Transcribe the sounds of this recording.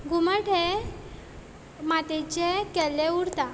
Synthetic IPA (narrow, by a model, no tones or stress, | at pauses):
ɡʱuməʈe | mat̪et͡ɕekɛlːeuɽt̪a